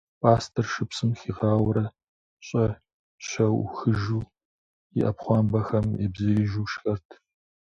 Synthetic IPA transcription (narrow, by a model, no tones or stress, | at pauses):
pʼaːstʰɐrʃɨpsʼɨmxiːʁɑːwɐɾɐ | ɕʼɐ | ɕɐwxɨʒuː | jɪ̰ʔɐpχʷɑːmbɐxɐmɛ̰bzɨɾiːʒuːʃxɐrtʰ